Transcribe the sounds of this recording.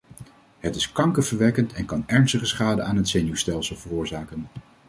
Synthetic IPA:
ɦətɪskɑŋkəvəɹʋɛkəntɛnkɑnɛɹnstəχəsχaːdəaːnɦətsejnuwstɛlˠsəlˠvərʊːɹzaːkən

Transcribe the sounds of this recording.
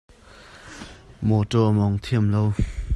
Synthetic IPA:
mɔtɔʔmɔŋt̪ʰiəmlow

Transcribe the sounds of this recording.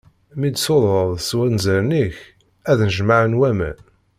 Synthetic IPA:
mid̪soðˤɾˤəðˤswænzəɾniç | æðnəʒmaʕənwæmæ̰n

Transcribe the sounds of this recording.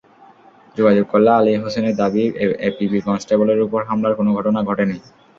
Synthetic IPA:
d͡ʑoɡad͡ʑoɡ̚kɔlːaaliɦoseneɾd̪abiepibikɔnsʈeboleɾupɔɹɦamlaɹkonoɡʱɔʈonaɡʱɔʈenij

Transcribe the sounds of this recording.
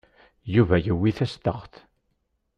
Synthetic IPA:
juvæjəwːiθæst̪əχθ

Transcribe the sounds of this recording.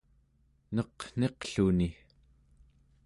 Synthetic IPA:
nʌqn̥e̞qɬuni

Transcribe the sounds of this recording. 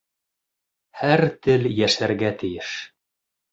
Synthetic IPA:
hæɾt̪ɘljæʃæɾɡæt̪ɘ̆jɘʃ

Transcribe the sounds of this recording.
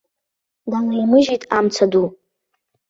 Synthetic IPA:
dalajmɨʒitʼamt͡sʰadu

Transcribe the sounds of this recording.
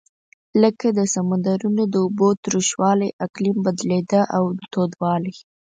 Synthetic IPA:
ləkad̪əsamand̪aɾunod̪əubot̪ɾuʃwɑlajʔaklimbad̪led̪əʔawt̪od̪wɑlij

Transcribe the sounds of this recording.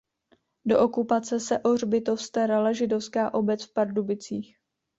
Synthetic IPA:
do̞̰ʔokupat͡sɛsɛʔor̝bɪt̪ofst̪ɛɾalɛʒɪdo̞fskaːʔo̞bɛt͡sfpaɾdubɪt͡siːx

